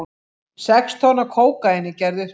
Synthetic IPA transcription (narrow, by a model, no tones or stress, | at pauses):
sɛkst̪ʰɔnakʰoːwkaɪnːɪcɛɾðʏɾ̥